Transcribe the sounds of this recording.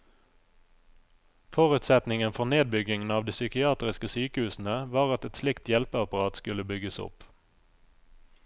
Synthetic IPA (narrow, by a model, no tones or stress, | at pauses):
fɔʁʉt̪sɛt̪nɪŋənfɔʁneːd̪̚bʏɡɪŋn̩ɑːʋd̪iːsʏkɪɑːt̪ʁɪskəsyːkəhʉːsn̩əʋɑːʁɑt̪ɛt̪slɪkt̪jɛlpəɑpɑʁɑːt̪skʉləbʏɡəsʊ̰p